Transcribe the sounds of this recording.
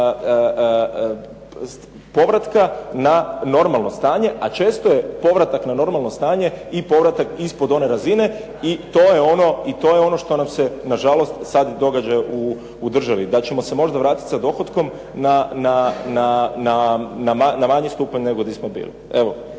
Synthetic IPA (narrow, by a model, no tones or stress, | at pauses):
po̞ʋɾat̪kanano̞ɾmalˠno̞st̪aːɲe̞ʔat͡ʃe̞ːst̪ojepo̞ʋɾat̪aknano̞ɾmalˠnost̪aːɲe̞ipo̞ʋɾat̪akispo̞d̪o̞ne̞ɾazine̞ | it̪o̞ːje̞o̞no̞it̪o̞ːjeo̞no̞ʃt̪o̞namse̞naʒalo̞st̪sad̪d̪o̞ɡad͡ʒajoʔuː | d̪r̩ʒaʋid̪at͡ɕe̞mo̞se̞mo̞ʒd̪aʋɾaːt̪it̪sad̪o̞xot̪ko̞m | nananananamanamaɲist̪uːpaɲneɡo̞d̪ismobḭːlḭe̞ʋo̞